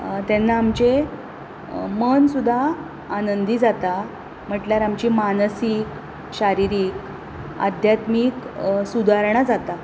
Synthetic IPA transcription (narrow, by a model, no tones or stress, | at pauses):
t̪janːaːmt͡ɕe | mənsud̪ʱːaː | nənd̪iːd͡zat̪a | m̤əʈljaɾamt͡ɕimanəsik | ɕaɾiɾiːk | a̰d̪ʱjat̪miːksud̪ʱaɾɳ̃ad͡zat̪a